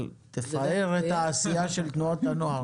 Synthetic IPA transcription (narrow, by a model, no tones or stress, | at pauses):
t̪efaeʁet̪haːsijaʃelt̪nuat̪anoɦaʁ